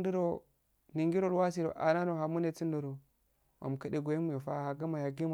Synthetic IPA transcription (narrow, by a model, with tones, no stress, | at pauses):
ndu˦ɾo˦ | ni˨ŋɡi˦ɾo˦˨lwa˦s̬i˦˨ɾo̰˨ʔa̰˨na˦no˨ɦa˨mu˦ne˦˨t͡si˦n˦do˨ɾo˨ | mʔa̰˨m˨ka˦de˨ɡo˨ji˦mu˨jo˨fa˦ha˨ɡa˦ma˨ja˨ɡi˦m˨